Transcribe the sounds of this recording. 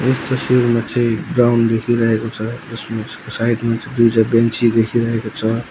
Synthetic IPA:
est̪ʌsiɾmat͡siɡɾawnɖd̪ekʰiɾəɦekot͡sʰʌd͡ʒʌsmaeskosaiʈmat͡sid̪ud͡ʒabẽnt͡ʃid̪ekʰiɾəɦekot͡sʰʌ

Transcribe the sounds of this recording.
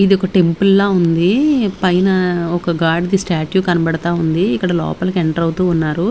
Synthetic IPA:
id̪iɔkɐʈe̞mpulːaːund̪ipɐjnɐɔkɐɡaːɾɖd̪isʈaːʈjuːkɐnɐbɐɽɐt̪aːund̪iːkːɐɽɐlɔ̰ːpɐlɐkeɳʈɐɾɐwt̪uːnːaːɾu

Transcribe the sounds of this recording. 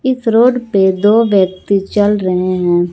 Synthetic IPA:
ɪsɾoːɖped̪oːʋjək̚t̪it͡ʃɐlɾɐɦeɦɛ̃ː

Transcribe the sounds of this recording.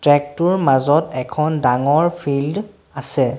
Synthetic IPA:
tɹɛk̚tʊɹmazɔtɛkʰɔndaŋɔɹpʰild | asɛ

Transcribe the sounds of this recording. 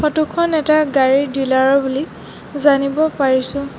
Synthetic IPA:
pʰɔtukʰɔnɛtaɡaɹidilaɹɔbuli | zanibɔpaɹisʊ̃

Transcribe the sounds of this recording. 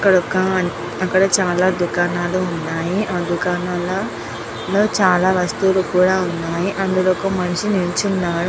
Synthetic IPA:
ɐkːɐɽɔkːɐ | ɐkːɐɽɐt͡ʃaːlaːd̪ukaːnaːluːnːaːjiʔaːd̪ukaːnaːlɐ | lo̞ːt͡ʃaːlaːʋɐst̪ulukuːɽaːunːaːjiʔɐnd̪uloːkɐmɐniʂinint͡ʃunːaːɽu

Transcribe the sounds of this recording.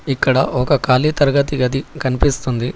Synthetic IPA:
ikːɐɽɐʔɔkɐkaːliːt̪ɐɾɐɡɐt̪iɡɐd̪ikɐnipist̪und̪i

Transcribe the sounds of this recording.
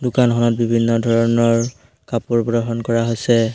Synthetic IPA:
dʊkanɦɔnɔt̚bibʱinːɔdʱɔɹɔnɔɹ | kapuɹbɹɔɦɔnkɔɹaɦojsɛ

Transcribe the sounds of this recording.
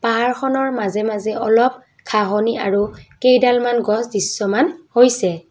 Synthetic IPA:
paɦaɹxʰɔnɔɹmazɛmazɛʔɔlɔp̚ | kʰaɦɔniaɹukejdalmanɡɔsdisːɔmanhojsɛ

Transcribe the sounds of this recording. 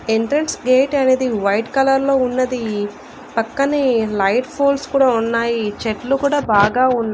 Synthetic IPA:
eɳʈɾɐnsɡeːʈɐne̞ːd̪iʋɐjʈkɐlɐɾlo̞ːunːɐd̪i | pɐkːɐnilɐjʈpʰoːlskuːɽaːunːaːjit͡ʃeʈlukuːɽaːbaːɡaːunːa

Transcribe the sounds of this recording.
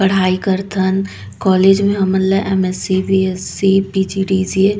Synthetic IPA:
pəɽ̤aːikəɾt̪ʰən | kɔːleːd͡ʒmẽɦəmənləʔemesibiesːipid͡ʒiɖid͡ʒe

